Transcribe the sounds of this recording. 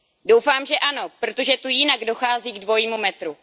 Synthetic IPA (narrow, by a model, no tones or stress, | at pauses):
do̞wfaːmʒɛʔano̞pɾo̞t̪o̞ʒɛt̪ujɪnaɡdo̞xaːziːɡdvo̞jiːmumɛt̪ɾu